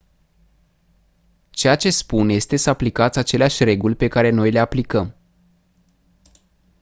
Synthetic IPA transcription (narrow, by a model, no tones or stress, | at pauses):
t͡ʃe̞jat͡ʃe̞spunje̞st̪e̞səaplikat̪sʲat͡ʃe̞leaʃʲre̞ɡulʲpe̞kaɾeno̞jle̞aplikəm